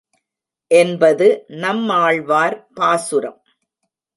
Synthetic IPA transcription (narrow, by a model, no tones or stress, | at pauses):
ʔɛnbɐðɯnɐmːaːɭʋaːɾpaːsʊɾɐm